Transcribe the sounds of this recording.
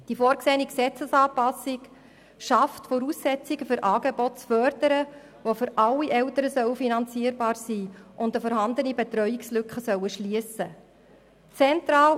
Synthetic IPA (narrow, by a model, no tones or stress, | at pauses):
d̥ifɔːɾkseːniksɛt͡səsɑːpɑsɪk | ʃɑftfɔɾuːsːɛt͡siɡəfʏɾʔɑːɡebɔtt͡sfœɾdəɾə | ʋofʏɾɑlːiʔɛltəɾəsœwəfinɑnt͡siːəɾbɑːɾsiːʔʊndəfɔːɾhɑnd̪ənibet̪ɾœjɪkslʏkχəsœwəʃliəsə | t͡sɛntɾɑːl